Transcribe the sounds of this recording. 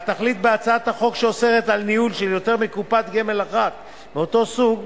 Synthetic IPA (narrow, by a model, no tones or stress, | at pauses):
t̪aχlit̪beat͡saat̪haχo̞kʃeose̞ʁet̪alniulʃeljo̞t̪e̞ʁmikupat̪ɡe̞me̞laχat̪ | meo̞t̪o̞suɡ